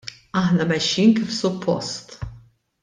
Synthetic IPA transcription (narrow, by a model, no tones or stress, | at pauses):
ɐħnɐmɛʃːiːnkifsʊpʰːɔ̰st̪